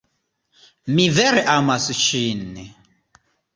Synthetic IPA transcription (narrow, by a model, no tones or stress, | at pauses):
mivɛɾɛʔamasit͡ʃinɛ